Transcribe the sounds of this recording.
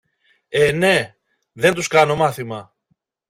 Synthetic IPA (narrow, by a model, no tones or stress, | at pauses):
e̞ne̞ | ðe̞nt̪uskɐno̞mɐθimɐ